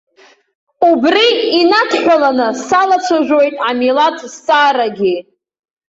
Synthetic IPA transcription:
ubriːnatʰħʷᶣalanɨsalat͡ɕʷʰaʒᶣʷojtʼamilatʰsːʼaːɾaɡʲi

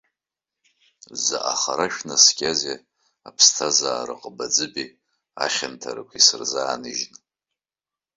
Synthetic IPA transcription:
za̰ʔaχaɾaʃᶣnasɡʲaze | apʰstʰazaːɾɨqʼəbad͡zɨbi | aχʲantʰaɾɨkʷʰisɨrzaːnɨʒn

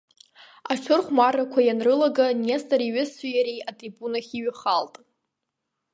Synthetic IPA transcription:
aʈ͡ʂʷʰʊrχʷmarakʷʰajanrɨlaɡanestʼaɾiɥɨsajaɾijatʼribunaχʲiɥχaltʼ

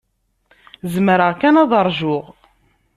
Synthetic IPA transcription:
zmɾəʁkænɑðˤəɾˤʒʊʁ

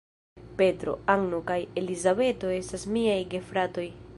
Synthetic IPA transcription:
pe̞tɾo̞̰aŋno̞kaje̞lizabe̞to̞e̞stasmiajɡe̞fɾato̞j

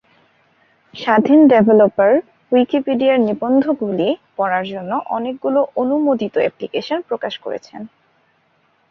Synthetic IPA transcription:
ʃad̪ʱinɖebʱelopaɾ | wikipiɖiaɾnibond̪ʱokɡulipɔɾaɾd͡ʑonːoʔɔnek̚ɡuloʔonumod̪it̪oɛ̰plikeʃonpɾokaʃko̰ɾḛt͡ɕʰen

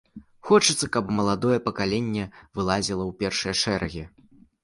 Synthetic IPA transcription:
xɔt͡ʂɨt̪sːɐkɐpmɐlˠad̪ɔjɛpɐkalʲenʲːɛvɨlˠazʲilˠɐwpʲɛrʂɨjɛʂɛɾʔɐɣʲi

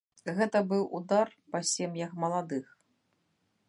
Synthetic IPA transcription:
ɣɛt̪ɐbɨwʔud̪arpɐsʲɛmjɐkmɐlˠad̪ɨx

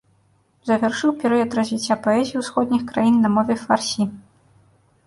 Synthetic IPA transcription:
zɐvʲarʂɨwpʲɛɾɛjɐt̪ɾɐzʲvʲit͡sʲːapɔɛzʲijiwsxɔd̪ʲnʲixkɾajinːɐmɔvʲɛfarsʲi

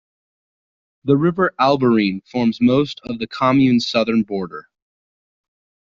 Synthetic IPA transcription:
ðəɹɪvə˞ʔælˠbə˞ĩnfɔɹmzmoʊstʰʌvðɨkʰɑmjʉ̃nsʌðə̃˞nbɔɹɾə̰˞

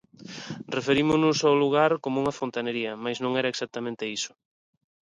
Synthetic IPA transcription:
refeɾimʊnʊsaluɣ̞aɾkomʊuŋɐfont̪aneɾiɐmajznõŋɛɾɐeksak̚t̪amẽnt̪ɪisʊ̥

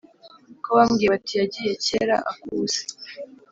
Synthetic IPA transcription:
koβamɡijeβatijaɟije̞ceɾa̰ʔakuːz̥e̥

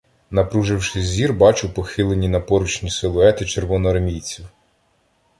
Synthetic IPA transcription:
nɐpɾuʒɪwʃɪzʲzːʲirbɑt͡ʃʊwpɔxɪlˠenʲinɐpɔɾut͡ʃnʲiselˠʊɛt̪ɪt͡ʃeɾʋɔnɔɐrmʲijt͡sʲiw

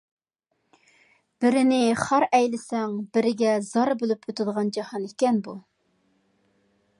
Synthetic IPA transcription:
b̥ɪɾɪnɪχɑɾɛjlɪsɛŋbɪɾɪɡʲɛzɑɾbølypʰøt̪ɪd̪əʁɑnd͡ʒɑhɑnikʲɛnbu

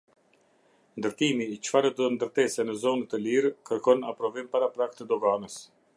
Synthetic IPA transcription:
nd̪əɾt̪imiːt͡ʃfaɾɛd̪nd̪əɾt̪ɛsɛnəzɔnət̪əliɾkəɾkɔnapɾɔvimpaɾapɾak̚t̪əd̪ɔɡanəs

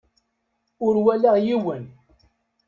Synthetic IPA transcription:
ʊɾwælaʁjiwən

